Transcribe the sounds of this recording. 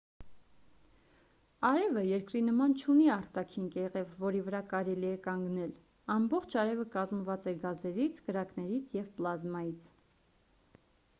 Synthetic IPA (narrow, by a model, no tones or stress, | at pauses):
ɑɾɛvəjɛɾkɾinəmɑnt͡ʃʰuniɑɾt̪ɑkʰinkɛʁɛvːɔɾivəɾɑkɑɾɛliɛkɑŋɡnɛl | ɑmbɔχt͡ʃʰɑɾɛvəkɑzməvɑt͡sɛɡɑzɛɾit͡sʰɡəɾɑknɛɾit͡sʰjɛvplɑzmɑjit͡sʰ